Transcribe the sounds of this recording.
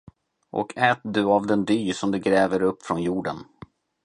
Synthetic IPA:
ʔɔ̰kʰɛːt̪̚d̪ɵavd̪ɛnd̪yːsɔmd̪ɵɡɾɛːvəɾɵpːfɾɔnjuːɖən

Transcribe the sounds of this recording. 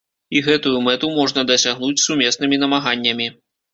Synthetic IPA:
iɣɛt̪ujumɛt̪umɔʐnɐd̪ɐsʲaɣn̪ut͡sʲsumʲɛsnɨmʲin̪ɐmaɣanʲːɐmʲi

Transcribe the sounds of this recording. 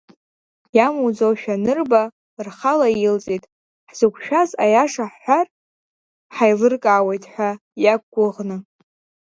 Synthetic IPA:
jamud͡zowʃᶣanɨrba | rχalaɪlt͡sʼitʼ | ħz̥ɨkʷʰʃᶣazajaʂaħħʷar | ħajlɨrkʼaːwe̞jtʼħʷa | jak̚ɡʷʊʁnɨ

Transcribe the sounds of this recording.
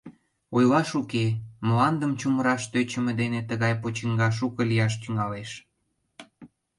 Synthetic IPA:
ojlɑʃukemlɑnd̪əmt͡ɕuməɾɑʃt̪øt͡ɕə̆mə̆d̪enet̪əɣɑjpot͡ɕəŋɡɑʃ̬ukə̆lijɑʃ̬t̪yŋɑleʃ

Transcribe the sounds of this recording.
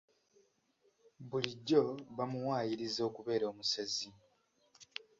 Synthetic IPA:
buliɟːo̞βamuwaːjiɾizo̞ːkuβe̞ːɾoːmusezi

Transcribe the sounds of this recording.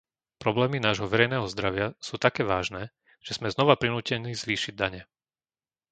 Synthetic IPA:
pɾɔblɛːminaːʒɦɔʋɛɾɛjnɛːɦɔzd̪ɾaʋɪasuːt̪akɛːʋaːʒnɛː | ʒ̥ɛz̥mɛznɔʋapɾinuːcɛniːzʋiːʃiɟ̚d̪aɲɛ

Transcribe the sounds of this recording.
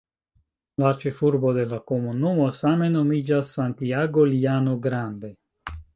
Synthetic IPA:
laɾt͡ʃefuɾbod̪elakomunumasamenomid͡ʒasant̪iaɡoliaːnoɡɾand̪e

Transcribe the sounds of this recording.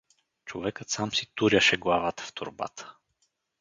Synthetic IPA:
t͡ʃovɛkət̪samsit̪uɾjəʃɛɡlˠavat̪ə̥ft̪ʊɾba̰t̪ʰə̥

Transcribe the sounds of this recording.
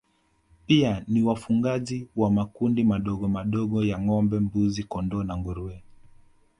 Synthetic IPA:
pianiwafuŋɡaziwamakundimaɗɔɠɔmaɗɔɠɔjaŋɔmbɛmbuzikɔndɔnaŋɡuɾuɛ

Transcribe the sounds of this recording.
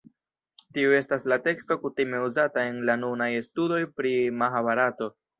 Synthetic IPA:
tiue̞staslate̞ksto̞kutime̞uzatae̞nlanunajestudo̞jpɾimaxaβaɾato̞

